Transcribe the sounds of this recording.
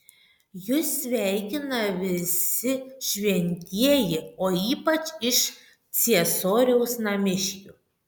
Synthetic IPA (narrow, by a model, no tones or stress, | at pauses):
jʊsʲʋʲæˑɪkʲɪnɐʋʲɪsʲɪʃʲʋʲɛnʲt̪ʲiɛjɪoːiːpɐt͡ʃɪʃ | t̪sʲiɛsoːɾʲɛʊsnɐmʲɪʃʲkʲuː